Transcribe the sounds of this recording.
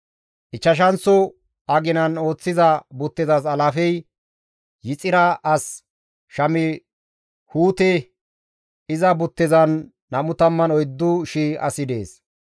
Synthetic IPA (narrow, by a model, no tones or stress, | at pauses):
ʔɪt͡ʃːɐʃ̬ɐnt͡sːɔ | ɐɡɪnɐno̞ːt͡sːɪzɐbʊt̪ːɪzɐs̬ɐlɐfɛj | jɪt͡sʼɪɾɐʔɐs | ʃɐmɪ | huːt̪ɛ | ɪzɐbʊt̪ːɪzɐnː | ɐmʊt̪ɐmːɐnɔjd̪ːʊʃiːʔɐ̰sɪd̪e̞̰ːs